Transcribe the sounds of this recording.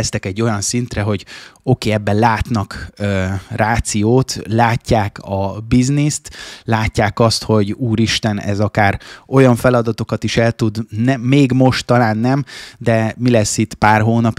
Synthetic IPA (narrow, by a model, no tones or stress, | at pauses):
st̪ɛkɛɟːo̞jɒnsint̪rɛɦo̞ɟo̞keːɛbːɛnlaːt̪nɒkøraːt̪sijoːt̪laːcːaːkɒbiznist̪laːcːaːkɒst̪ho̞ɟuːɾiʃt̪ɛnɛ̰zɒkaːro̞jɒɱfɛlɒd̪ɒt̪o̞kɒt̪iʃɛlt̪ud̪nɛmːeːɡmo̞ʃt̪ːɒlaːnːɛmd̪ɛmilɛsːit̪ːpaːrɦoːnɒp